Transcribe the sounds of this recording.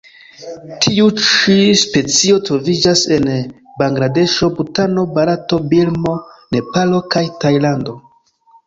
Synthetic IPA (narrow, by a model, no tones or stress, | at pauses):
tʰiut͡ʃispe̞t͡sio̞tɾo̞vid͡ʒase̞n | baŋɡɾade̞ʃo̞butano̞baɾato̞bilmo̞ne̞palo̞kajtajlando̞